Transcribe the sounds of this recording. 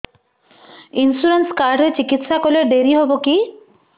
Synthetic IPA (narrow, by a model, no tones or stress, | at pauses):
insuɾenskaɾɖʱɦoet͡ɕikit̪ʃakoleɾɖ̪eɾiɦoboki